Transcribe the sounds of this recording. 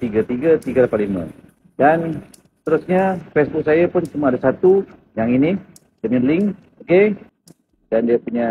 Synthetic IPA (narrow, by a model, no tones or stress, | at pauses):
t̪iɡat̪iɡat̪iɡaɾapalima̰ | dan | sə̥t̪əɾusɲafɛsbʊk̚sajapʊnt͡ʃumaadasat̪ujaŋini | dəmilɪŋ | oke | dandiapuɲa